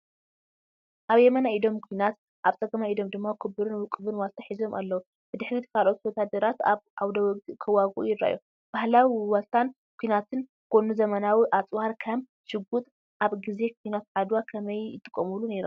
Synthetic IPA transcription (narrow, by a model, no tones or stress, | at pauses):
ʔaβjɛmɐnaid̪o̞mkʷʰujnat̪̚ | ʔaβt͡sʼɐɡɐmaid̪o̞md̪ɨmːakʰɨbɨɾɨnkʼɨβɨnwalt̪ʰaħizo̞mʔalːɐwu | b̥ɨd̪ɨħɾit̪kʰalʔo̞t̪wɔd̪ad̪ɐɾat̪aβʕawd̪ɐkʰɐwaɡuʔjɪɾːa̰jo | b̥ahlawiwɐlt̪ʰan | kʷʰuinat̪ʰɨn | kʰonuzɐmɐnawiʔat͡sʼwaɾkʰɐm | ʃɨɡut̪ʼ | ʔaβɡize̞k̚ʷʰujnat̪ʕad̪wakʰɐmɐjjɨt̪ʰʼːɨkʼːɐmulune̞ɾom